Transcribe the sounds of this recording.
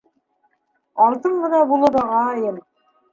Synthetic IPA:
ɑlˠt̪ɤɴɢɤ̆nɑbulˠɤɾɑʁɑjɤm

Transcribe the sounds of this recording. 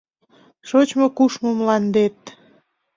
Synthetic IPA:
ʃot͡ɕmokuʃmomlɑnd̪et̪̚

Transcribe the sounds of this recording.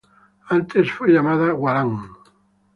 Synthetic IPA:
ant̪esfweʎamaðaɣwaɾaŋ

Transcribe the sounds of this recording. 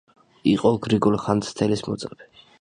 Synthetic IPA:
iqʼɔɡɾiɡulχant̪st̪ʰɛlismɔ̰t̪sʼqʼɛbʰɛ

